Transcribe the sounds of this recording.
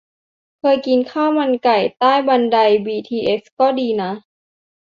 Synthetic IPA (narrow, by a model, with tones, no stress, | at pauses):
kʰɤː˧jki˧nkʰaː˥˩wma˧nka˨˩jt̪aː˥˩jba˧nda˧jbiː˧t̪ʰiː˧ʔe˦˥skɔː˥˩diː˧na˦˥